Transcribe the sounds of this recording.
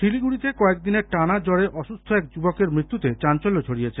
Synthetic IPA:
ʃiliɡuɽit̪ekɔek̚d̪ineɾʈanad͡ʑɔɽeʔɔʃust̪ʰoɛk̚d͡ʑubokeɾmɾit̪ːut̪et͡ɕant͡ɕolːot͡ɕʰoɽijet͡ɕʰe

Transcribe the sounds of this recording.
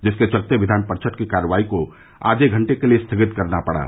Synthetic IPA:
d͡ʒəsket͡ʃəlt̪eʋid̪ʱanpəɾt͡ʃʰəʈkekaɾʋaiko | a̰ːd͡ʒeɡʱəɳʈekelest̪ʰəɡɪt̪kəɾnapəɽa̰ː

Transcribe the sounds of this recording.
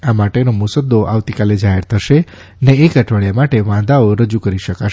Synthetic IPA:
amaʈenomusəd̪oʔaʋt̪ikaled͡ʒaɦeɾt̪ʰəʃe | əneːkəʈʰʋəɭjamaʈeʋãd̪aoɾəd͡ʒukəɾiʃəkaʃ

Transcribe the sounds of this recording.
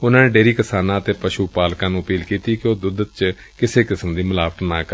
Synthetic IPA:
ʊnãːneːɖeːɾiːkɪsaːnãːət̪eːpəʃuːpaːlkãːnũːəpiːlkiːt̪iːkɪoːd̪ʊd̪ət̪̚t͡ʃ | kɪseːkɪsəmd̪iːməlaːʋət̪nãːkɾ

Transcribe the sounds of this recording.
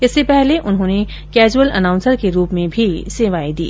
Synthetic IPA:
ɪsːepɛɦleʔʊnɦõːne | kɛːd͡ʒuwəlɐ̰nãːʊ̃nsəɾkeɾuːpmẽbʱiseːʋaːid̪ḭː

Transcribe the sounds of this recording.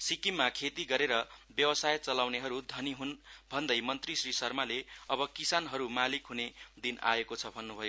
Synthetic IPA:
sikimːakʰet̪iɡʌɾeɾʌbjʌwʌsajt͡sʌlawneɦʌɾud̪ʱʌniɦunbʱʌnd̪ʌjmʌnt̪risrisʌrmaleʌbʌkisanɦʌɾumalikɦuned̪ina̰ekot͡sʰʌbʱʌnːubʱʌjo

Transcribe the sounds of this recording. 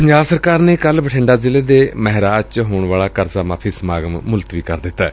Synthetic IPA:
ɲd͡ʒaːsəɾkaːɾneːkəlbəʈʰɪ̃ːɳɖaːzɪleːd̪eːməɦɾaːt͡ʃɦoːɳʋaːlaːkəɾzaːmaːpʰiːsəmaːɡəmːʊlt̪ʋiːkəɾd̪ɪt̪ːaː

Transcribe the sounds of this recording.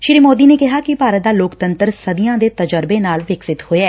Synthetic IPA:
ʃɪɾiːmoːd̪iːneːkɪɦaːkɪpaːɾət̪̚d̪aːloːkt̪ənt̪əɾsəd̪ɪjãːd̪eːt̪əd͡ʒəɾbeːnaːlʋɪksɪt̪hoːeɛː

